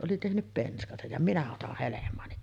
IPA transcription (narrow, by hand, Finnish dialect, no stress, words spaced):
ʔoli tehnyp penskɑsɑj jɑ minæ otɑh helemˑɑːni